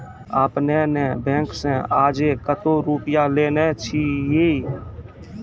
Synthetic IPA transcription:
aːpneːnɛ̃ːbɛ̃ːŋksɛ̃ːaːd͡ʒeːkət̪oːɾuːpɪjaːleːneːt͡ʃʰiːjeː

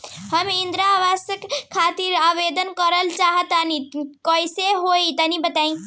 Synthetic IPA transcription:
həmɪ̃nd̪ɾaʋaːsəkkʰːaːt̪iɾaːbed̪ənkəɾəlt͡ʃaːɦət̪anikɔiseɦoit̪ənĩbət̪aːĩ

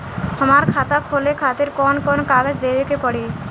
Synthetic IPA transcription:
həmaɾkʰat̪akʰolekʰaːt̪iɾkɔnkɔnkaɡəd͡ʒd̪ebekepəɽi

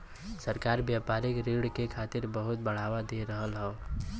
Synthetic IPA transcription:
səɾkaɾbjapaɾikɾiɽkekʰaːt̪ɪɾbəɦʊt̪̚bəɽ̤awad̪eɾəɦəlɦɛo

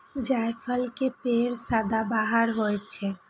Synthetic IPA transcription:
d͡ʒajpʰəlkepeɾsad̪abaɦəɾɦojt͡ʃʰɛ

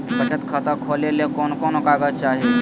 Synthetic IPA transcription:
pət͡ʃət̪kʰət̪əkʰoːlelekoːnkoːnokaːɡət͡ʃaːɦe

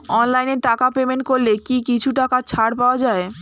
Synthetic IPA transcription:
ɔnlajneɾʈakapemenʈ̚koɾlekikit͡ɕʰuʈakat͡ɕʰaɽpaoad͡ʑae

